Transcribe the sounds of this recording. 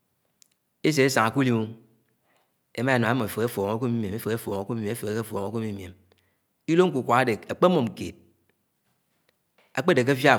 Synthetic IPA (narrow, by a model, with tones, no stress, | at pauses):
e˦s̬e˨e˦sa˨ŋa˨ku˦li˦mu˦ | e˨˦ma˦e˨no˨a˦mːo˨fe˨e˦fo˨ŋe˦k̬u˦mi˦m˨e˨me˦fe˨e˦fo˨ŋo˨˦ku˦mi˦˨˦e˦fe˨ke˨˦ke˦fo˨ŋo˨˦ku˦mi˨˦m˨e˨m | i˦lo˦ŋ̩˦ku˨kʷa˨ɣa˦de˨a˨k͡pe˦mo˨m̩˨kḛ˨t̚ | a˨k͡pe˦˨de˨k̬e˦fja˦˨